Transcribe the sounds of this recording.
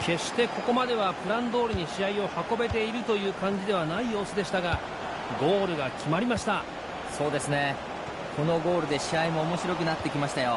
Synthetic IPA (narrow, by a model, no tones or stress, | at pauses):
kʰe̞ɕi̥t̪e̞ko̞ko̞mad̪e̞β̞apɯ̟ɾãnd̪o̞ːɾɯ̟ɲ̟iɕiaio̞hako̞be̞t̪̬e̞iɾɯ̟t̪o̞jɯ̟ːkãɲ̟d͡ʑid̪e̞β̞anaijo̞ːsɨd̪e̞ɕi̥t̪aɡa | ɡo̞ːɾɯ̟ɡakʲimaɾʲimaɕi̥t̪a | so̞ːd̪e̞sɨne̞ | ko̞no̞ɡo̞ːɾɯ̟d̪e̞ɕiaimo̞ːmo̞ɕiɾo̞kɯ̟nat̪ːe̞kʲimaɕi̥t̪ajo̞